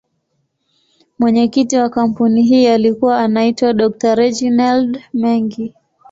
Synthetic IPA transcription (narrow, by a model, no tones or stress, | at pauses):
mwɛɲɛkitiwakam̩puniɦiːalikuwaːnaitwaɗɔk̚taɾɛd͡ʒinaldmɛŋɡi